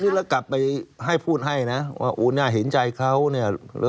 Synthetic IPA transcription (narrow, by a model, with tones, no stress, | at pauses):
niː˦˥˩la˧˥˩ka˨˩pːa˧jɦa˥˩jpʰuː˥˩t̪̚ɦa˥˩jna˦˥wʔa̰ː˥˩ʔoː˧naː˥˩ɦe˩˦nt͡ɕa˧jkʰa˦˥˩wni˥˩əl̰